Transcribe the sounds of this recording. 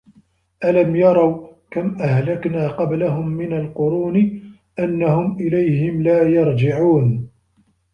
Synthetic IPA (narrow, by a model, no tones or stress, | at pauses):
ʔalamjɑɾˤɑwkamʔahlaknaːqɑblaɦʊmːɪnalqʊɾuːn | ʔanːahʊmʔɪlajhɪmlaːjɑɾˤd͡ʒɪʕuːn